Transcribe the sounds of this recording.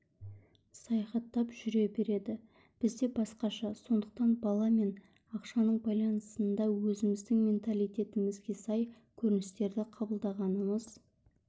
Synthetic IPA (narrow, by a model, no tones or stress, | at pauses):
sɑjɑχɑt̪ːɑpʒʏɾe̞be̞ɾe̞d̪ɪ | b̥ɪzd̪e̞bɑsqɑʃɑso̞nd̪əq̚t̪ɑnbɑlˠɑme̞n | ɑqʃɑnəɴbɑjlˠɑnəsənd̪ɑwɵzɪmɪzd̪ɪŋmʲe̞nt̪alˠijt̪e̞t̪ɪmɪzɡʲe̞sɑj | kʲʰɵɾɪnɪst̪e̞ɾd̪ɪqʰɑbəlˠd̪ɑʁɑnəməz̥